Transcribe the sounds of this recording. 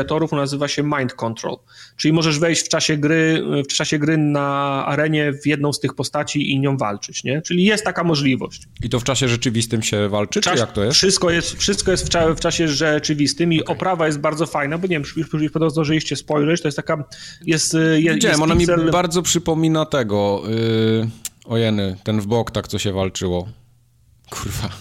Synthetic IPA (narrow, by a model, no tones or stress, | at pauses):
at̪ɔɾufnazɘvaɕɛmajnt̪̚kɔnt̪ɾɔ̰l | t͡ʂɘlʲimɔʐɛʐvɛjɕt͡ɕft͡ʂaɕɛɡɾɘft͡ʂaɕɛɡɾɘnaa̰ɾɛɲɛvʲjɛd̪̚nɔ̃w̃st̪ɘxpɔst̪at͡ɕiʔiɲɔ̃w̃va̰lt͡ʂɘt͡ɕɲɛt͡ʂɘlʲijɛst̪ːakamɔʐlʲivɔ̰ɕt͡ɕ | it̪ɔft͡ʂaɕɛʐɛt͡ʂɘvʲist̪ɘmɕɛvalt͡ʂɘajakt̪ɔjɛsfʂɘst̪kɔjɛst̪fʂɘst̪̚kɔjɛst̪faft͡ʂaɕɛʐɛt͡ʂɘvʲist̪ɘmiʔɔpɾavajɛst̪̚baɾd̪zɔfajnabɔɲevʲjɛmʂjupuipɔd̪ɔwzaʐɛlʲiɕt͡ɕɛspɔjʐɛt͡ɕt̪ɔjɛst̪akajɛst̪jɛɲɛɛmɔnamʲiɛbaɾd̪zɔpʂɘpɔmʲinat̪ɛɡɔ | ɔjɛnɘt̪ɛnvbɔkt̪akt̪sɔɕɛvalt͡ʂɘwɔ | kʰuɾva